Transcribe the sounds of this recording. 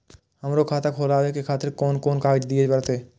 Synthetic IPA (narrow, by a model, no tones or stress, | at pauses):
həmɾokʰaːt̪akʰoːlaːwekekʰaːt̪ɪɾkɔːnkɔːnkaːd͡ʒd̪iebəɾt̪eː